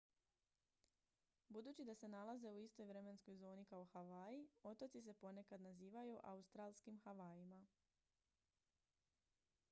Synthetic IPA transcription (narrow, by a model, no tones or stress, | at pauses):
bud̪uːt͡ɕid̪ase̞nalˠaze̞uist̪o̞jʋɾe̞me̞nsko̞jzo̞ːnikao̞xaʋaːjio̞t̪o̞t̪sis̬e̞po̞ne̞kad̪naziːʋajuʔa̰ust̪ɾaːlˠskimxaʋaːjima